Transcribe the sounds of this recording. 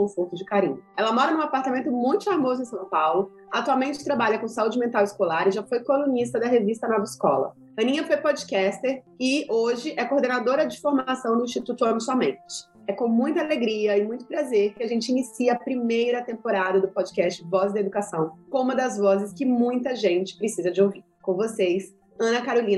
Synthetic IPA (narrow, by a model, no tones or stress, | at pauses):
kõfoɾt̪ʊd͡ʒɪkaɾĩɲʊɛlɐmɔɾɐnũapaɾt̪amẽnt̪ʊmũj̃t̪ʊ̥faɾmozʊẽsɐ̃w̃pawlʊ | at̪uawmẽnt͡ʃɪ̥t̪ɾabaʎɐkõsaud͡ʒɪmẽnt̪awɪskolaɾɪʒafojkolũnis̬t̪ɐd̪ɐɦevist̪ɐnɔvɐɪskɔ̰lɐ̰ | ɐ̃nĩɲɐfojpɔd͡ʒikɛst̪eɾ | ɪoʒɪʔɛkoɾd̪enad̪oɾɐd͡ʒɪfoɾmasɐ̃w̃nʊĩst͡ʃit̪ut̪ʊɐ̃mʊsɔmẽt͡ʃɪ̥ | ɛkõmũj̃t̪ɐaleɡɾiɐɪmũj̃t̪ʊpɾazeɾkɪaʒẽnt͡ʃɪinisiɐapɾimejɾɐt̪ẽmpoɾad̪ɐd̪ʊpɔd͡ʒikɛst͡ʃɪvɔzd̪ɐed̪ukasɐ̃w̃kõũmɐd̪ɐzvɔzɪskɪmũj̃t̪ɐʒẽnt͡ʃɪ̥pɾɪsizɐd͡ʒɪowviɾkõvosejs | ɐ̃nɐkaɾolĩnɐ